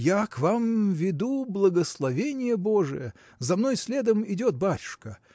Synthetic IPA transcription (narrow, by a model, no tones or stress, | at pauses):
jakvamvʲɪd̪ublˠəɡəslˠɐvʲenʲɪjəbo̞ʐɨ̰jə̰ | zɐmno̞jsʲlʲeɛd̪əmɪdʲot̪̚batʲʊ̥ʂkə